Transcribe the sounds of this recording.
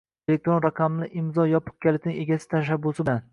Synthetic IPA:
elek̚t̪ɾonɾɑqʰɑmlɪʔɪmzɒjɒpʰɨ̥q̚kʲalɪk̚ʲnɪŋe̞ɡʲasɪ̥t̪ʰaʃ̬abːʊsɪban

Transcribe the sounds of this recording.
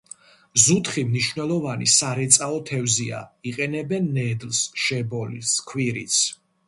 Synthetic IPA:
zut̪ʰχimniʃvnɛlˠɔvanḭsaɾɛt̪sʼaɔt̪ʰɛvzia̰iqʼɛnɛbɛnːɛd̪lˠsʃɛbɔliskʰwiɾḭt̪sʰ

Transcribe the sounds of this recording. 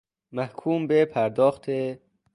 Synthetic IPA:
mæhkʰuːmbepʰæɾd̪ɒːxt̪ʰe

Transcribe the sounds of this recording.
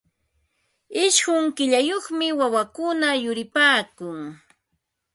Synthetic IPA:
ɪʃɢʊŋkɪʎajoχmɪwawakʊnajʊɾɪpaːkʊŋ

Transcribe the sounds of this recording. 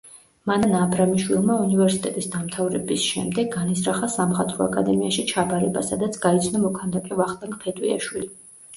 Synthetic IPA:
mananaːbɾamiʃwilˠmaunivɛɾsit̪ʼɛt̪ʼisd̪amt̪ʰavɾɛbisʃɛ̰md̪ɛɡːanisɾaχasamχat̪ʼɾɔa̰kʼad̪ɛmiaʃit͡ʃʰabaɾɛba̰sad̪at̪sʰɡ̥ait̪sʰnamɔkʰand̪akʼɛvaχt̪ʼaŋkʼpʰɛt̪ʼwia̰ʃwili

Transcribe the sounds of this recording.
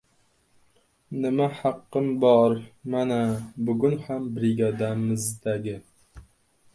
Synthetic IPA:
nɪmahɑqːɨmbɒɾmanabʊɡʲʊnhambɾɪɡʲɑd̪amɪzd̪aɡʲɪ

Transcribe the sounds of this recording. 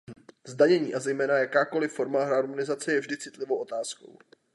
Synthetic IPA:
zdaɲɛɲiːʔazɛjmɛːnajakaːko̞lɪfːo̞ɾmaɦɾaɾmonɪzat͡sɛjɛvʒdɪt͡sɪt̪lɪvo̞wʔo̞t̪aːsko̞̰w

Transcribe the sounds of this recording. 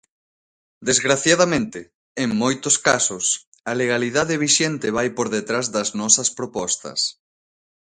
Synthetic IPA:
d̪ezɣɾaθjaðɐmẽnt̪ɪ | eŋmojt̪ʊskasʊs | ɐleɣ̞aliðaðeβ̞iʃɛnt̪ɪβ̞ajpoɾðet̪ɾazðɐznɔsɐspɾopɔst̪ɐ̰s

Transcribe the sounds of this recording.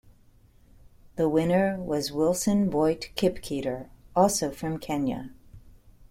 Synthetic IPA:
ðəwɪ̃nə˞wʌzwɪlˠsɨ̃nbɔɪtkʰɪpkʰiɾə˞ɔlˠsoʊfɹʌ̃mkʰɛ̃njɨ̰

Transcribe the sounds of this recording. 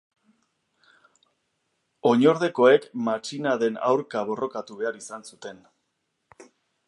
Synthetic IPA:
o̞ɲo̞ɾðe̞ko̞e̞kmat͡ʃinaðe̞na̰wɾkaβ̞o̞ro̞kat̪uβe̞aɾisansut̪e̞n

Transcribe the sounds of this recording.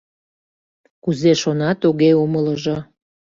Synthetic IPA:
kuzeʃonɑt̪uɣeumələʒo

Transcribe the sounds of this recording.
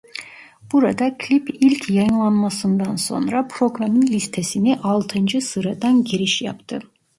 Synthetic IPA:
b̥uɾad̪akʰlʲipʰilʲkʰjɑjɯnlˠanmasɯnd̪anso̞̰nɾapʰɾo̞ɡɾamɯnlʲist̪ʰesiniʔɑlˠt̪ʰɯnd͡ʒɯsɯɾad̪anɟiɾiʃjɑ̰pt̪ʰɯ

